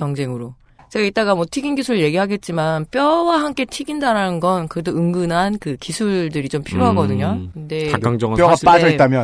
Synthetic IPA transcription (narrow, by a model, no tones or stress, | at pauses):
kjʌŋd͡ʑe̞ŋɯɾo | t͡ɕeɡait͈aɡamwʌtʰiɡinɡisʰuɾɯɭje̞ɡiɦaɡe̞t̚t͡ɕ͈imanp͈jʌwaɦamk͈e̞tʰiɡindaɾanɯnɡʌnkɯdoɯŋɡɯnɦankɯkisʰuɭdɯɾit͡ɕompʰiɾoɦaɡʌdɯɲokɯnde̞kak͈aŋd͡ʑʌŋapjʌɡap͈ad͡ʑʌit͈amjʌ